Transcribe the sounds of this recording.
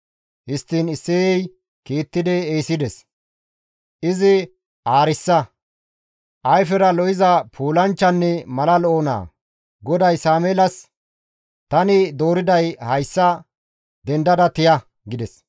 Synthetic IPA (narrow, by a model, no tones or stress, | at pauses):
hɪst̪ːiːnɪsːɛːɛj | kiːt̪ːɪd̪ɛejsɪd̪ɛs | ʔɪzɪ | ʔaːɾɪsːɐ | ʔɐjfɛɾɐlɔʔɪzɐpʰuːlɐnt͡ʃːɐnːɛmɐlɐloːna̰ː | ɡɔd̪ɐjsaːmeːlɐs | t̪ɐnɪd̪o̞ːɾɪd̪ɐjhɐjsːɐ | d̪ɛnd̪ɐd̪ɐt̪ɪjɐ | ɡɪd̪ɛs